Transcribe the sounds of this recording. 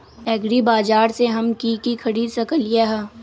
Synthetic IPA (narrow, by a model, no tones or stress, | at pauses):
ɛːɡɽibaːd͡ʒaːɾseɦɐmkikikʰɐɾiːd̪sɐkəlijaɦɛ